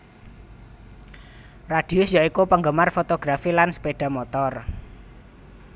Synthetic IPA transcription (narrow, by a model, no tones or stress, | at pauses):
raɖ̥i̤ʊsjaikupəŋɡəmarfot̪oɡ̥ɾafilanspeɖ̥a̤mot̪ɔr